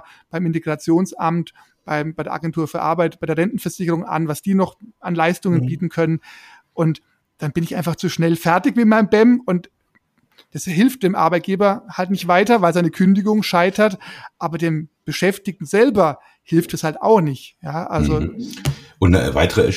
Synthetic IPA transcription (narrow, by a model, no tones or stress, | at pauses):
b̥aɪmɪnteɡ̥ʁat͡sjoːnsʔa̰mt | b̥aɪmbaɪɾeɐʔa̰ɡɛntʰuːɐfyːɐʔa̰ɐbaɪt̚b̥aɪdeːɐʁɛntn̩fɛɐz̥ɪçəʁʊŋʔa̰nvasd̥iːnɔχanlaɪstʊŋənbiːtn̩kʰœnən | ʔʊnt | d̥anb̥ɪnɪçʔaɪnfaχt͡suʃnɛlfɛɐtɪçmɪmaɪnmbɛmʊnt | d̥asɦɪlft̚d̥eːmʔa̰ɐbaɪt̚ɡ̥eːbɐhaltnɪçtv̥aɪtɐvaɪlsaɪnəkʰʏndɪɡʊŋʃaɪtɐtʔaːbɐdeːmb̥əʃɛftɪk̚tn̩zɛlbɐ | hɪlftdɛshalta̰ʊxnɪçtjaːʔalzo | ʔʊnnə̰va̰ɪtəʁəɛ̰